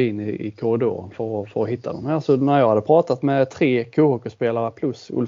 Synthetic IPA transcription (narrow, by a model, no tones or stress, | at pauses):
ɪnːɪɪ̰kʰʊɾɪd̪o̰ːɾənfœɾɔfœɾɔhɪt̪ʰːa̰d̪ɔmhæːsɔnæɾjɑːɡhad̪ːəpʰɾɑːt̪at̪mɛt̪ʰɾeːkʰuːhuːkəspeːlaɾəpʰlɵsɵ̰l